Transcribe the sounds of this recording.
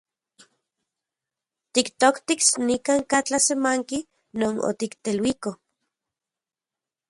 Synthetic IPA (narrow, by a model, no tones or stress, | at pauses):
t̪ikt̪okt̪iksnikaːŋkat͡ɬasemaŋki | noːno̰t̪ikt̪elwiko